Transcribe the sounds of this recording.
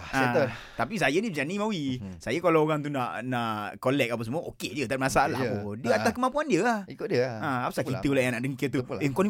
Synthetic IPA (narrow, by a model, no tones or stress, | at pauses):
a | t̪ap̬is̬ajəniəd͡ʒanimawisajəkalaoɣaŋt̪̬unaʔnaʔkolɛk̚ap̬as̬əmũəʔoked͡ʒət̪at̚masala̰odiəat̪askəmãmpuandiəahikodiəaapasait̪əlajaŋnaʔdəŋkət̪ueŋkɔni